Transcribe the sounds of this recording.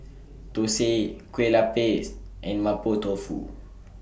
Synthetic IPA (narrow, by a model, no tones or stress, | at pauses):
t̪osekwelapesɛ̃nmapot̪ofṵ